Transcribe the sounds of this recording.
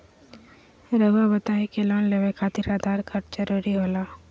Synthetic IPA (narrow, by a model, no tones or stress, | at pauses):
ɾəɡabət̪aːikelaːnleʋekʰaːt̪iɾaːd̪aːɾkʰɐɾt͡ʃəɾuɾiɦoːlaː